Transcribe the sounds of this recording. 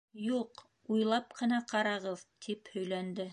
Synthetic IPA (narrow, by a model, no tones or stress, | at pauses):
juq | ujlˠɑpqʰɤ̆nɑqɑɾɑʁɤðt̪ʰiphɵ̆jlænd̪ɘ